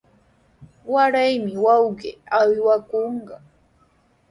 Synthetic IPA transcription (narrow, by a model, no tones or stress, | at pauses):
waɾajmɪwɑwɢḛawwakoɴɢɑ